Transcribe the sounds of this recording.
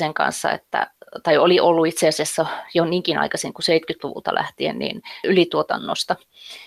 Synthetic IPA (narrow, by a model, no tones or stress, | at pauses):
seŋkɑ̰nsːɑ̰ḛt̪ːæ̰t̪ɑioliʔolːuit̪seɑsiɑsːæjoniːŋkinɑ̰ikɑsiŋkuseit̪kyt̪luʋṵlt̪ɑ̰lʔæht̪iḛnnḭːnylit̪uot̪ɑnːo̰st̪ɑ